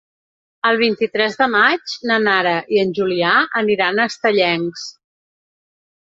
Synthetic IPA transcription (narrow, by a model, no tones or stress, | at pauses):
əlˠβ̞int̪it̪ɾɛzðəmad͡ʒnənaɾəʔiənʲʒuliaəniɾanəst̪əʎɛŋs